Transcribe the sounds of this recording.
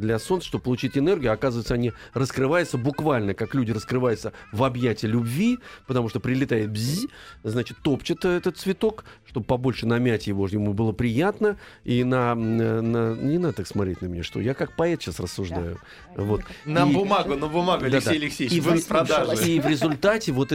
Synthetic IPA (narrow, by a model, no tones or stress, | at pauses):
d̪lʲɐso̞nsəʂt̪ob̚əpəlˠʊt͡ɕitʲɪnɛrɡʲʊɐkazəvəɪt̪səɐnʲi | rəskɾɨvajʊt̪səbʊkvalʲnəkaklʲudʲɪrəskɾɨvajʊt̪səvɐbjætʲɪlʲʊbvʲipət̪ɐmuʂt̪opɾʲɪlʲɪt̪ajɪt̪̚bʲzʲiznat͡ɕɪ̥t̪ːo̞pt͡ɕɪt̪ɛt̪ət̪svʲɪt̪o̞k | ʂt̪o̞bəpɐbo̞lʲʂɨnɐmʲætʲjɪvo̞ʐnʲɪmubɨlˠəpɾʲɪjat̪nə | inəənənʲɪnad̪ət̪aksmɐt̪ɾʲḛtʲnəmʲnʲa̰ʂt̪o̞̰jakak̚pɐɛt̪ɕːasrəsːʊʐd̪ajʊ | vo̞t̪niəbʊmaɡʊnəbʊmaɡʊld̪ɪasejlʲɪksʲejivpɾɐd̪aʐivɾʲɪzʊlʲt̪atʲɪvo̞t̪